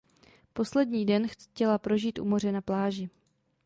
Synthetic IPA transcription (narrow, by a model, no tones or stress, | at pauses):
po̞slɛdɲiːdɛnxcɛlapɾo̞ʒiːt̪ʔṵmo̞r̝ɛnaplaːʒɪ